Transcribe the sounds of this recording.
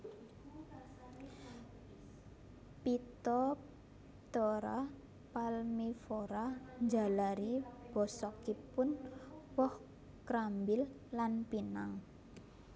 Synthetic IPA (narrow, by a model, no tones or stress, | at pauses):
pit̪ɔ | t̪ɔɾa | palmifɔɾaɲd͡ʒa̤laɾib̥ɔsɔkipʊnwɔh | kɾambɪlː | anpinaŋ